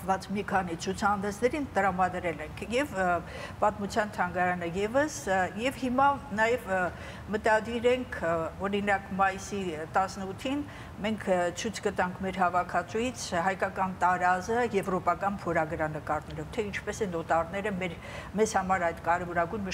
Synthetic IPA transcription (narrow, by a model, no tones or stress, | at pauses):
vɑt͡smikʰɑn̪it͡sʰut͡sʰɑɑnd̪ɛsʰnɛɾint̪əɾɑmɑd̪ɾɛlɛŋkʰjɛv | pɑt̪mut͡sʰjɑnt̪ʰɑŋɡɑɾɑnəjɛvəsjɛvhimɑnɑjɛv | mət̪ɑd̪iɾɛŋkʰɔɾinɑkmɑjisit̪ɑsnəut̪ʰːin | mɛŋkʰt͡sʰujt͡sʰɡət̪ɑŋkʰmɛɾɦɑvɑkʰɑt͡sʰujit͡sʰɦɑjkɑkɑnt̪ɑɾɑzəjɛvɾɔpɑkɑnpʰɔɾɑɡɾɑnəkɑɾnɛlɔvt̪ʰɛint͡ʃʰpɛsɛnɔt̪ɑɾnɛɾəmɛɾ | mɛzhɑmɑɾɑjd̪kɑɾɛvɔɾɑɡujnmə